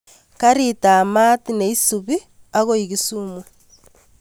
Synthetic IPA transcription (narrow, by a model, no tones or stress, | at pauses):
kaɾitaːmatineisuβi | aɣoiɣisuːmwe